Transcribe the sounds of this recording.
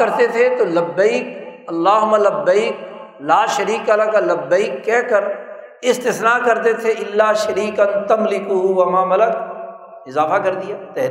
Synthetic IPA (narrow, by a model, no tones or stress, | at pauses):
ɐɾt̪et̪ʰet̪oːlɐbːəiːk̚ɐlːaːɦʊmalɐbːɐiːklaːʃɐɾiːkalakalɐbːɐiːkːɛːkɐɾ | ɪst̪ɪsnaːkɐɾt̪et̪ʰeʔɪlːaːʃɐɾiːkɐnt̪ɐmlɪkʊɦuwɐmaːmɐlɐk | ɪzaːfakɐɾd̪ijaːt̪ɛɦ